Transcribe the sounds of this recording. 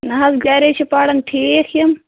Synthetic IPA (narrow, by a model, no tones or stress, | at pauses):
nɐɦɐzɡaːɾet͡ʃʰipaːɽɐnʈʰiːekʰjɐm